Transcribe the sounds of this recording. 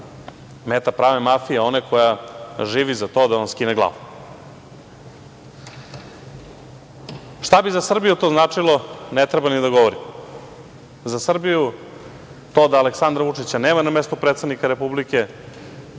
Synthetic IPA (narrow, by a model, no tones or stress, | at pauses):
met̪apɾaʋemafijeo̞najkojaʒiːʋizat̪o̞ːd̪aonskineɡlˠa̰ːʋo | ʂt̪abizasr̩bijut̪o̞znaːt͡ʂilˠo̞net̪ɾebanid̪aɡoʋoɾi | zasr̩biju | t̪o̞d̪aːleksand̪ɾaʋut͡ʂit͡ɕaneːmanamest̪upɾet̪sad̪nikaɾepublike̞